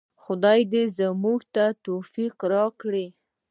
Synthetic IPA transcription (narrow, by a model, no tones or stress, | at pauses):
xʊd̪ɑjd̪ezəmuɡt̪at̪ofiqɾɑkɽi